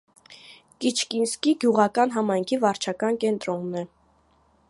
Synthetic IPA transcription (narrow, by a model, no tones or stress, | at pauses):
kit͡ʃʰkinskiɡjuʁɑkɑn̪ɦɑmɑjŋkʰivɑɾt͡ʃʰɑkɑnkɛnt̪ɾɔnːɛ